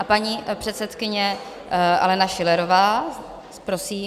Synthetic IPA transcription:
apaɲipr̝̥ɛt̪sɛt̪kɪɲɛ | ʔa̰lɛnaʃɪlɛɾovaː | pɾosiː

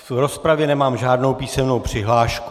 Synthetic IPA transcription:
vɾo̞spɾavjɛnɛmaːmʒaːdno̞wpiːsɛmno̞wpr̥ɪɦlaːʃk

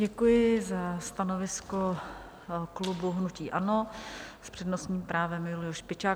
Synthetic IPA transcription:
ɟɛkujɪzast̪anovɪsko | klubuɦnuciːʔanospr̥ɛdnosɲiːmpɾaːvɛmjʊlɪjoʃpɪt͡ʃaː

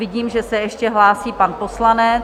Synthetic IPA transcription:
ɪɟiːmʒɛsɛjɛʃcɛɦlaːsiːpanposlanɛ

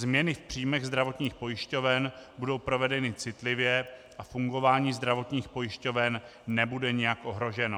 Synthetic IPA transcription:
zmɲɛnɪfpr̥ijmɛɣzd̪ɾavo̞t̪ɲiːxpo̞jɪʃco̞vɛnbudo̞wpɾo̞vɛdɛnɪt͡sɪt̪lɪvjɛʔafuŋɡo̞vaːɲiːzd̪ɾavo̞t̪ɲiːxpo̞jɪʃco̞vɛnːɛbudɛɲɛjakʔo̞ɦɾo̞ʒɛno

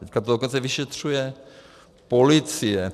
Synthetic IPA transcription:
ɛckat̪odokont͡sɛvɪʃɛt̪r̝̥ujɛ | po̞lɪt͡sɪjɛ

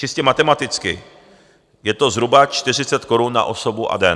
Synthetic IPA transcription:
t͡ʃɪscɛmat̪ɛmat̪ɪt͡skɪ̰ | jɛt̪o̞zɦɾubat͡ʃt̪ɪr̝ɪt͡sɛt̪ko̞ɾunːa̰ʔo̞sobuʔa̰dɛ

